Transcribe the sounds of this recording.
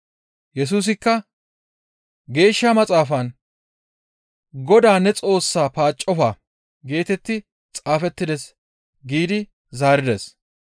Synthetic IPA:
jɛs̬uːs̬ɪkːɐ | ɡe̞ːʃːamɐt͡sʼaːfɐn | ɡɔd̪aːnɛt͡sʼo̞ːsːaːpaːt͡ʃʼːɔfaː | ɡe̞ːt̪ɛt̪ːɪ | t͡sʼaːfɛt̪ːɪd̪ɛs | ɡiːd̪ɪ | zaːɾɪd̪ɛs

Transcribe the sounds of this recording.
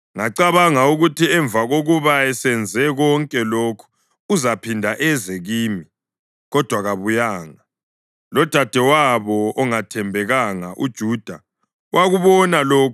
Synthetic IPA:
ŋaǀaβaŋauɣutʰiɛɱvaɣoɣuβaɛsɛnd͡zʱɛɣɔŋkʼɛloːkʰu̥ | uzapʰindʱaʔɛzeɣiːmi | ɣɔd̥ʱwaɣaβujaːŋa | lɔd̥ʱad̥ʱɛwaβɔɔŋatʰɛmbʱɛɣaŋa̰ʔṵd̥ʒ̥ʱud̥ʱa | wʔaɣuβɔnaloːkʰ

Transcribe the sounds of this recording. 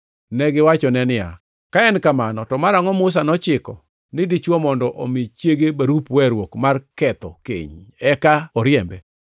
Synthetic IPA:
nɛɡɪwat͡ʃɔnɛnɪja̰ | kaɛnkamanɔtɔmaɾaŋɔmʊs̬anɔt͡ʃɪkɔ | nɪdit͡ʃwɔmɔndɔʔomit͡ʃjeɡebaɾupwɛɾwokmarkɛt̪ɔ̰kḛɲɛkaɔɾjɛmbɛ̰

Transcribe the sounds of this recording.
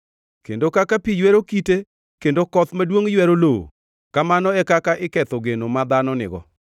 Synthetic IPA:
kḛndokakapijweɾokite | kendokɔt̪madwoŋjwɛɾoloo̰ | kamanɔɛkakaʔɪkɛt̪ɔɡenomad̪anɔnɪ̰ɡɔ̰

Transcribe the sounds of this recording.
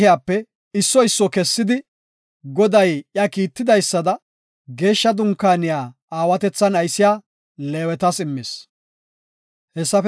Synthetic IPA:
ɪjaːpːɛ | ɪsːɔɪsːɔkɛsːɪd̪ɪ | ɡɔd̪ɐjjɐkiːt̪ːɪd̪ɐjsːɐd̪ɐ | ɡe̞ːʃːɐd̪ʊŋkːaːnɪjaː | aːwɐt̪ɛt͡sːɐnɐjsɪjaː | leːwɛt̪ɐsɪmːɪs | hɛsːɐf

